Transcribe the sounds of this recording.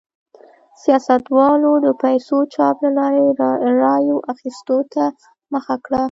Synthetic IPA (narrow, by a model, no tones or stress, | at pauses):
sijɑsat̪wɑlod̪əpajsot͡ʃɑplalɑɾeɾɑjoʔaxist̪ot̪a | məxakɽa